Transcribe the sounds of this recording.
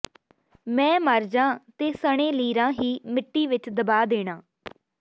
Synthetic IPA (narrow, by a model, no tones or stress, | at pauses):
mɛ̃ːməɾd͡ʒãːt̪eːsəɽ̃ẽːliːɾãːɦiːmɪʈːiːʋɪt͡ʃd̪əbaːd̪eːɽ̃ãː